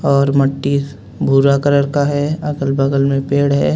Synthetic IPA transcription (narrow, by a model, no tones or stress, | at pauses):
ɔːɾmɐʈːi | bʱuːɾakəɾəɾkaɦɛɐɡəlbəɡəlmẽpeːɽɦɛː